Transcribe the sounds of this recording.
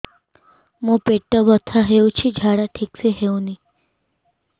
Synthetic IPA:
mũpeʈːəbət̪ʰaɦeũt͡ʃʰid͡ʒʱaɽaʈʰikseɦeũni

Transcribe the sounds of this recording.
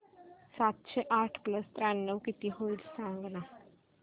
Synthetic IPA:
sat̪ɕeʔaʈʰpləst̪ɾanːəʋkit̪iɦoilsãŋɡna

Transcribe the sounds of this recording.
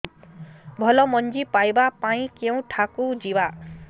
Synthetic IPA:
bʱʌlʌmʌnd͡zipajbapaĩkew̃ʈʰakud͡ziba

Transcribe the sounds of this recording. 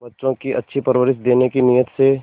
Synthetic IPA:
bɐtːʃõkiʔɐ̰tːʃʰipɐɾʋəɾɪsd̪eːnekinijət̪se

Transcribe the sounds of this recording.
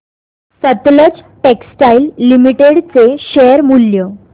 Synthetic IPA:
sət̪lət͡sʈeksʈailːimiʈeɽt͡seɕeəɾmulːjə

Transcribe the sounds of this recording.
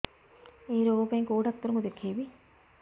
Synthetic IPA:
eːɾoːpeŋkoːʈɐk̚t̪uɾuŋɡud̪ekʰheʋi

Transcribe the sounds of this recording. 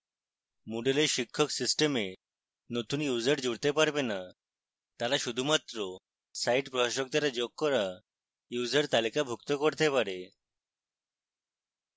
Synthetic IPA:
muɖeleɾʃikʰːɔksisʈeme | not̪unjuzaɾd͡ʑuɽt̪epaɾbena | t̪aɾaʃud̪ʱumat̪ɾo | sajʈpɾɔɦaʃɔk̚d̪aɾad͡ʒoɡ̚kːɔɾa | juzaɾt̪alikabʱukt̪ɔkoɾt̪epaɾe

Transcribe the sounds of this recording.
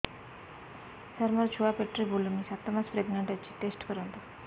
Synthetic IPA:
səɾmɔɾt͡ʃʰuapeʈɾibʱulumisat̪ːamaspɾeɡneɳʈət͡ʃʰi̥ʈesʈkəɾɔnt̪a

